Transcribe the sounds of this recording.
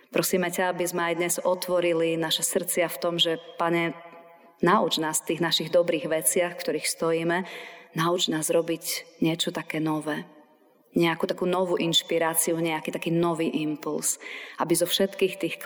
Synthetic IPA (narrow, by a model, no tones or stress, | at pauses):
pɾɔsiːmɛcaabizmɛajd̪ɲɛzɔt̪ʋɔɾilinaʃɛsr̩t͡sɪaft̪ɔmʒɛpaɲɛ | naṵd͡ʒnaːsft̪iːɣnaʃiɣd̪ɔbɾiːɣʋɛt͡sɪaxfkt̪ɔɾiːxst̪ɔjiːmɛnaud͡ʒnaːzɾɔbiɟɲɪɛt͡ʃɔt̪akɛːnɔʋɛː | ɲɛakuːt̪akuːnɔʋuʔinʃpiɾaːt͡siuɲɛakiːt̪akiːnɔʋiːʔimpulsʔabizɔfʃɛt̪kiːxt̪iːxk